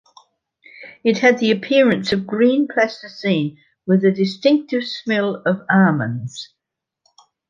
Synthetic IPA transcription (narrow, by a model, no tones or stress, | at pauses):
ɪt̚həd̪̚ðiəpʰɪəɹə̃nsəvɡɹĩːnpʰl̥ɛstəsĩːn | wɪðədɪstɪ̃ŋk̚tɪv̥smɛləvɑːmə̰̃nz̥